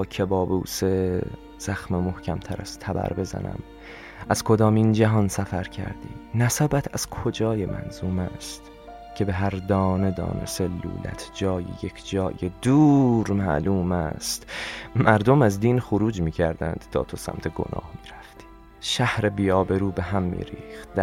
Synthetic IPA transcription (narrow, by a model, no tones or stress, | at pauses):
cʰebɒːbuːse | z̥æxmemo̞hcʰæmt̪ʰæɾæ̰zt̪ʰæbæ̰ɾbe̞zæ̰næ̰m | ʔæz̥kʰo̞d̪ɒːmind͡ʒæɦɒnsæfæɾcʰæ̰ɾd̪ḭːnæsæbæt̪ʰæz̥kʰo̞d͡ʒɒːjemʔæ̰nzuːmæst̪ | cʰe̞be̞ɦæɾd̪ɒːned̪ɒ̰ːnḛselːṵːlæ̰t̪ʰd͡ʒɒːjḭjekʰd͡ʒɒːjed̪uːɾmæʔluːmæst̪mæɾd̪o̞mæzd̪iːnxoɾuːd͡ʒmiːcʰæɾd̪ænd̪̥t̪ʰɒ̰ːt̪ʰosæ̰mt̪ʰeɡo̞̰nʔɒ̰ːhmiːɾæft̪ʰi̥ː | ʃæhɾebijɒːbe̞ɾuːbeɦæmːḭːɾiːxt̪̚d̪æ